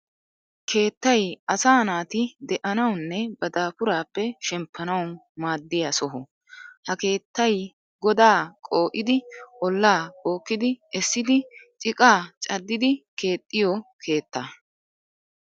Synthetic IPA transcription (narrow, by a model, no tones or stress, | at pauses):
kʰe̞ːt̪ːɐjɐsaːnaːt̪ɪd̪ɛʔɐnɐwnːɛbɐd̪aːpʊɾaːpːɛʃɛmpʰːɐnɐw | maːd̪ːɪjɐsɔɦɔ | hɐke̞ːt̪ːɐj | ɡɔd̪aːkʼo̞ːʔɪd̪ɪʔɔlːaːkʼo̞ːkːɪd̪ɪʔɛsːɪd̪ɪt͡ʃʼɪkʼaːt͡ʃʼɐd̪ːɪd̪ɪke̞ːt̪ʼːɪjɔkʰe̞ːt̪ːɐ